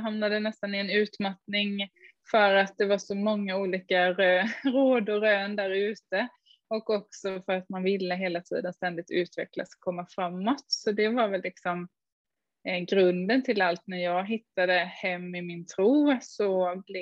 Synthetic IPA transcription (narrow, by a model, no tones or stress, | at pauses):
ɦamnad̪ənɛst̪anɪɛnʉ̟ːt̪mat̪nɪŋ | fœɾat̪̚d̪ɛvaʂɔmɔŋːauːliːkaɾøːɾoːd̪ʊɾøːnd̪æɾʉ̟ːt̪ə | ɔkːɔksɔfœɾat̪manvɪlːəɦeːlat̪ʰḭːd̪ənst̪ɛnd̪ɪɡ̚t̪ʉ̟ːt̪vɛ̰kla̰sɔ̥kʰɔmːafɾamːɔt̪sɔd̪ɛvaɾvɛlːɪksɔm | ɡɾɵnd̪ənt̪ʰɪlalt̪næɾjɑːɡɦɪt̪ːad̪əhɛmːɪmɪnt̪ʰɾuːsɔbl